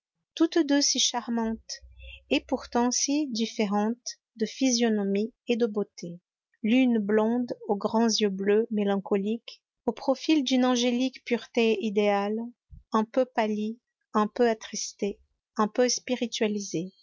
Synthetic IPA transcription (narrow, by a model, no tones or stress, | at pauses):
t̪ut̪d̪øsiʃaʁmɑ̃t̪ɛpuʁt̪ɑ̃sid̪ifeʁɑ̃t̪ | d̪əfizjɔnɔmied̪əbot̪ʰe | lynblɔ̃d̪oɡʁɑ̃zjøblømelɑ̃kɔlik | opχɔfild̪ynɑ̃ʒelikpyʁt̪eid̪eal | ɛ̃pøpali | ɛ̃pøat̪χist̪e | ɛ̃pøspiʁit̪ɥalize